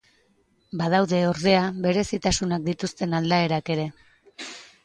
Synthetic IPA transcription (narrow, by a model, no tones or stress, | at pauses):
baðawðe̞oɾðe̞aβe̞ɾe̞sit̪asunak̚d̪it̪ust̪e̞nald̪ae̞ɾake̞ɾe̞